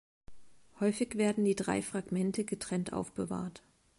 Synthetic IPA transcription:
hɔʏfɪçv̥eːɐdn̩diːdʁa̰ɪfʁ̥aɡmɛntʰəɡətʁ̥ɛntʔa̰ʊfb̥əva̰ːɐt

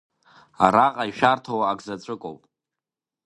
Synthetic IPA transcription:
a̰ɾaqʼaiʃᶣartʰowaːɡzat͡sʷʼɨkʷʼo̰wpʼ

